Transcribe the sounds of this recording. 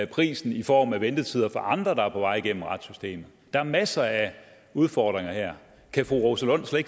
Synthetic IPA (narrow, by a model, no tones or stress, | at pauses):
æpʰʁḭːsn̩ifɒ̰ːmæʋend̥ət͡sʰið̞ˠɐfɒʔɑ̈nd̥ʁɐd̥ɑ̈æɐpʰɒ̽ʋɑ̈ɪ̰iɡ̥en̰m̩ʁɑ̈d̥sysd̥e̝̰ːmð̩ˠd̥ɑ̈æɐmæsɐæ | uð̞ˠfɒːd̥ʁeŋɐheɐ̰ | kʰæfʁuʁosəlɔ̽n̰sle̥